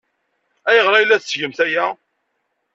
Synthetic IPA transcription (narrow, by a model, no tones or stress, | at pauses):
æjəʁɾˤɑjlːæθsʝəmθæjæ